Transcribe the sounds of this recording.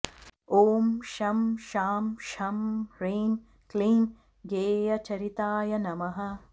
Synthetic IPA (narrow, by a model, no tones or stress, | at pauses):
oːmʃɐmʃaːmʃɐmɾeːm | kleːm | ɡeːjɐt͡ʃɐɾit̪aːjɐnɐmɐɦɐ̆